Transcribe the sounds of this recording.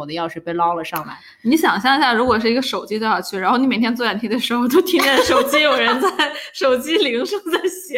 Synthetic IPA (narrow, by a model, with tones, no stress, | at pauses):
ɔ˨˩d̪ə˦jɑ˥˧ʊʂɻ̩˥˧˩pe˥˩ɪlɑ˥ʊlə˨ʂɑ˥˩ŋla̰˧˩ɪ | ni˧˥ɕjɑ˨˩ŋɕjɑ˥˧ŋ˧ɕja˥˩ɻu˧˥kwɔ˨˩ʂ̬ɻ̩˥˩i˧˥ɡə˧ʂo˨˩ʊt͡ɕi˥wxɑ˨˩t͡ɕʰy˥˩ɻa˧˥nxo˥˩ni˧˥me˨˩jɛ˥t͡swja˥˩nt̪ʰi˧˥d̪ə˧ʂɻ̩˧˥xo˧ʊt̪o˥ʊt̪ʰi˥ŋɛ˥˩ə˧ʂo˨˩ʊt͡ɕi˥jo˨˩ʊɻə˧˥nt͡sa˥˩ɪʂo˨˩ʊt͡ɕi˥li˧˥ŋʂɑ˥˧ŋt͡sa˥˩ɪɕɛ˧˥